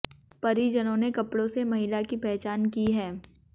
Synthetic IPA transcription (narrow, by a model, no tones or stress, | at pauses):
pɐɾid͡ʒɐnõnekɐpɽõsemɐɦɪlakipɛɦt͡ʃaːnkiɦɛː